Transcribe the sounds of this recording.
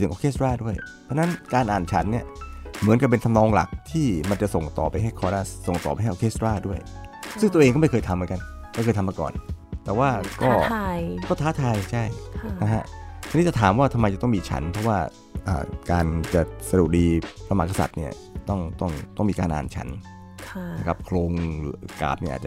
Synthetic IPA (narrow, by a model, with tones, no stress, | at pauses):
ɯ˩˦ŋʔoː˧kʰeː˥˩sɾaː˥˩du˥˩əj̪ʰɔ˧˥na˦˥nkaː˧nʔaː˨˩nt͡ɕʰa˦˥nːi˥˩ɐmɯ˩˦nka˨˩p̬e˧nt̪ʰa˧mnɔː˧ŋla̰˨˩k̚t̪ʰiː˥˩ma˧nt͡ɕa˨˩ʔso˨˩ŋt̪ɔ̰ː˨˩pa˧jɦa˥˩jkʰɔː˧ɾa˧˥˩so˨˩ŋt̪ɔ̰ː˨˩pa˧jɦa˥˩ʔkʰeː˥˩sɾaː˥˩du˥˩əjsɯ˥˩ŋt̪u˧ʔeː˧ŋkɔ˥˩ma˥˩kʰɤː˧jt̪ʰmɯ˩˦nka˧nma˥˩kʰxɤː˧jt̪ʰa˧maː˧kɔ̰ː˨˩nt̪ɛː˨˩waː˥˩kɔː˧˥˩kɔː˥˩t̪ʰaː˦˥t̪ʰaː˧jt͡ɕʰa˥˩jna˦˥kʰa̰˦˥ʔt͡ɕʰni˥t͡ɕa˨˩t̪ʰaː˩˦mwaː˥˩t̪ʰa˧ma˧jt͡ɕa˨˩t̪ɔ˥˩ŋmiː˧t͡ɕʰa̰˦˥npʰɔ˥waː˥˩ | ʔa̰ː˨˩kaː˧nt͡ɕa˨˩sa˧du˨˩k̚diː˧sɾa˧ma˨˩ka˧sa̰˨˩t̪̚ni˥˩ɐ | t̪ɔ˥˩ŋt̪ɔ˥˩ŋt̪ɔ˥˩ŋmiː˧kaː˧nʔa̰ː˧nt͡ɕʰa̰˦˥nʰ˧ | na˦˥kʰa˦˥p̚kʰloː˧ŋː˨˦ka̰ː˨˩p̚ni˥˩ʔa̰ː˨˩t̚t͡ɕa˩